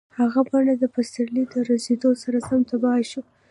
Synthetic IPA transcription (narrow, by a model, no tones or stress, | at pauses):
haɣabɑnad̪əpast̪aɾlid̪əɾazed̪osaɾasamt̪abɑʃu